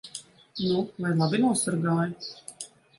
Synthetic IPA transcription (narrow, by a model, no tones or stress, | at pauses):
nuvajlˠabinuɔsaɾɡaːju